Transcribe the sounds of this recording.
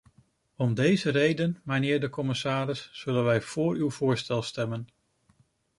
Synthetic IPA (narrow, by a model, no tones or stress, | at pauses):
ɔmdejzərejdənmɛjnɪːɹdəkɔmɪsaːɾɪsːɵlənʋɛjv̥ʊːɹywvʊːɹstɛlˠstɛmən